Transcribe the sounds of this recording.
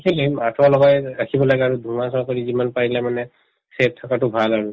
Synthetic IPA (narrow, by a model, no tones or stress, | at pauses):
kʰelematʰɔlɔɡɔjɹakʰibɔlaɡɛaɹudʱumasɔɹkɔɹizimanpaɹilɛmanɛ | sep̚tʰɔkatʊbʱalaɹu